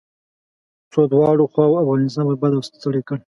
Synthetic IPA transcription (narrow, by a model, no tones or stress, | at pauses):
t͡sod̪wɑɽoxwɑwoafɣɑnɪs̬t̪ɑnpabad̪awst̪əɽekəɽ